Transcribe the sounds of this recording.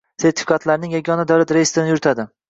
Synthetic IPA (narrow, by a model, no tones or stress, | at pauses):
se̞ɾt̪ʰɪ̥fikʰat̪ʰlaɾnɪŋjaɡʲɒnad̪awɾat̪ɾejist̪ɾɪnɪjʊɾɪt̪ʰad̪ɪ